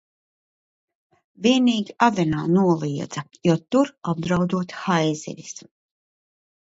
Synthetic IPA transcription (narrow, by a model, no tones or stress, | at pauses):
vʲiɛniːɡʲiad̪ɛnaːnuɔlˠiɛd̪z̥ajuɔt̪uɾab̚d̪ɾawd̪uɔt̪xajzḭvʲis